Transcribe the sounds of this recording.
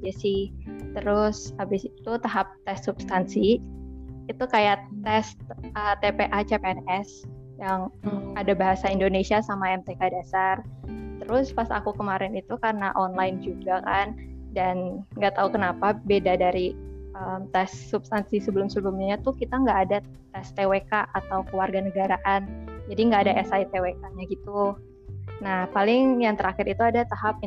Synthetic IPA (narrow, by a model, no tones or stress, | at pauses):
d͡ʒasɪht̪əɾʊsabɪsit̪ut̪aɦap̚t̪ɛst̪sub̥st̪ansi | it̪ukajatt̪ɛst̪ət̪epeʔat͡ʃepeɛnɛs | jaŋadabaɦasaindonesiasamaɛmt̪ɛkadasart̪əɾʊspasa̰kukəmaɾɪnit̪ukarənaʔɔnlajnd͡ʒuɡakandanŋɡaʔt̪aukənapabedadaɾiəmt̪ɛsːubst̪ansisəbəlʊmsəbəlʊmɲat̪ʊhkit̪aŋɡaʔːda | t̪ɛst̪ewekaʔat̪awkuwarɡanəɡaɾaʔand͡ʒadiŋɡaːdaʔɛsait̪ewekaɲaɡit̪u | nahpalɪŋjaŋt̪əɾakɪɾit̪uadat̪aɦap̚